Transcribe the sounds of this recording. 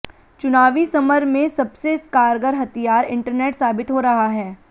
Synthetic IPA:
t͡ʃʊnaːʋisɐməɾmẽsɐbseɪskaːɾɡəɾɦɐt̪ijaːɾɪ̃ɳʈəɾneːʈsaːbɪt̪ɦoɾɐɦaɦɛː

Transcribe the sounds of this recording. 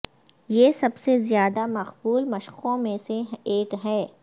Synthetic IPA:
jeːsɐbsezjaːd̪amɐqbuːlmɐʃqõmẽseeːkɦɛː

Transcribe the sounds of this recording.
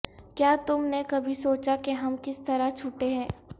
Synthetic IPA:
kjaːt̪ʊmnekɐbʱisoːt͡ʃakeɦɐmkɪst̪ɐɾat͡ʃʰʊʈeɦɛ̃ː

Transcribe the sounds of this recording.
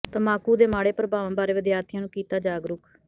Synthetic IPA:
t̪əmaːkuːd̪eːmaːɽeːpəɾəbaːʋãːbaːɾeːʋəd̪jaːt̪ʰɪjãːnũːkiːt̪aːd͡ʒaːɡɾʊk

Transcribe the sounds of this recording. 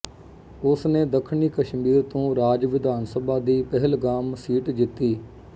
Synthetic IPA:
ʊsneːd̪əkʰːɳiːkəʃmiːɾt̪õːɾaːd͡ʒʋɪd̪aːnsəbaːd̪iːpəɦəlɡaːmsiːʈd͡ʒɪt̪ːiː

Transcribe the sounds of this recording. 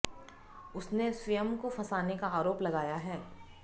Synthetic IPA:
ʊsnesʋijəmkofʰɐsaːnekaaːɾoːplɐɡaːjaɦɛː

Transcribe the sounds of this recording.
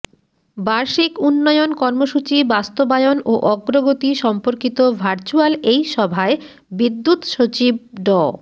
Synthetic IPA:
baɾʃikunːɔjonkɔɾmoʃut͡ɕibast̪obajonoʔɔɡɾoɡot̪iʃɔmpoɾkit̪obʱaɾt͡ɕualejʃɔbʱae | bid̪ːut̪ʃot͡ɕib̚ɖɔ

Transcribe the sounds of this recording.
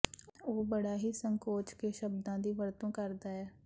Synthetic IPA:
oːbəɽaːɦisə̃ŋkoːt͡ʃkeʃəbd̪ãd̪iʋəɾt̪õːkəɾd̪aːɦɛː

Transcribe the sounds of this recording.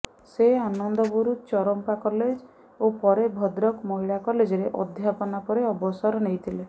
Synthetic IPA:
seanɔnd̪ɔbuɾut͡ʃɔɾɔmpakɔled͡ʒ | opɔɾebʱɔd̪ɾɔkmɔɦiɭakɔled͡ʒɔɾeʔɔd̪ʱjapɔnapɔɾeɔbɔsɔɾɔnejt̪ʰile

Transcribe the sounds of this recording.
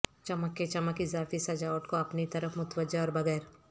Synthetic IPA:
t͡ʃɐməkːet͡ʃɐməkɪzaːfisɐd͡ʒaːwəʈkoɐpnit̪ɐɾəfmʊt̪ʋəd͡ʒaɔːɾbɐɡɛːɾ

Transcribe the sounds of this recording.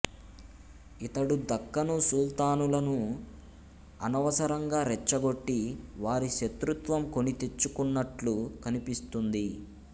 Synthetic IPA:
it̪ɐɽud̪ɐkːɐnusult̪aːnulɐnu | ɐnɐʋɐsɐɾɐŋɡaːɾɛt͡ʃːɐɡo̞ʈːiʋaːɾiʃet̪ɾut̪ʋɐmko̞nit̪e̞t͡ʃːukunːɐʈlukɐnipist̪und̪i

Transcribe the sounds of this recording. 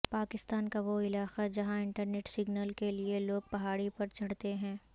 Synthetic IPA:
paːkɪst̪aːnkaʋoɪlaːxad͡ʒɐɦãɪ̃ɳʈəɾneːʈsɪɡnəlkelieloːɡ̚pɐɦaːɽipɐɾt͡ʃʰɐɽt̪eɦɛ̃ː

